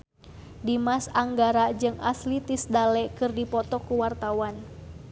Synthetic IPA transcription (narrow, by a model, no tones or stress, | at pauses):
dimasaŋɡaɾad͡ʒɨŋa̰slit̪isdalɛkɨrdipɔt̪ɔkuwart̪awan